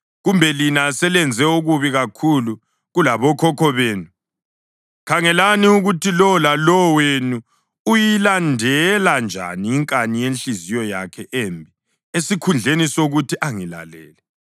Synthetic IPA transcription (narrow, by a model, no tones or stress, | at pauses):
ɣumbʱɛlinasɛlɛnd͡zʱɛuɣuβiɣakʰulu | ɣulaβɔkʰɔkʰɔβeːnu | kʰaŋɛlaniuɣutʰilɔlalɔwenu | ujilandʱɛland͡ʒʱa̰niːŋkʼanijenɬizijɔja̰kʰɛʔeːmbʱi | esikʰund͡ɮʱenisoɣutiʔaŋila̰lɛ̰ːlɛ